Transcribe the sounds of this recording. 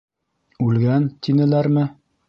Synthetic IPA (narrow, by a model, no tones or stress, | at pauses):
ʉlɡænt̪inɘ̆læɾmɘ